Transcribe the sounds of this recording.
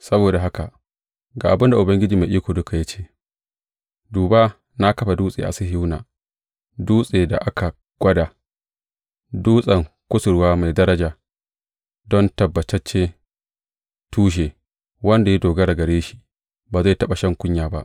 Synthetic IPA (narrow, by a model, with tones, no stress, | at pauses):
sɐ˦boː˨da˨ɦa˦ka˨ʔ | ɡa̰ː˨ʔa˨bʊ˦nda˨ʔʊ˨bɐ˦ŋɡʲɪ˦d͡ʒiː˨ma˨ʔiː˦kʷoː˨dʊ˦ka˨ja˦t͡ʃeː˦ | duː˨ba˦ | na˦kɐ˦ɸa˨duː˦sʼḛ˨ʔa̰˨si˦ɦɪ˦wna̰ː˨ | duː˦sʼeː˨da̰˨ʔa˦kʰa˨ | ɡ̥ʷɐ˦daː˨ | duː˦sʼɐ˨ŋ | kʷʊ˦sʊ˨ɽwaː˦ma˨jdɐ˦ɾɐ˦d͡ʒaː˨ | dɔ˦ntɐ˨bːɐ˨t͡ʃɐ˦t͡ʃːeː˦ | tuː˦ʃ̬eː˨ | wɐ˦nda˨ji˦doː˨ɡɐ˦ɽa˨ɡɐ˨ɽeː˦ʃi̥˦ | baː˨za˦˨jtɐ˦ɓa˨ʃɐ˦ŋkʷʊ˦ɲjaː˨ba̰˦ʔ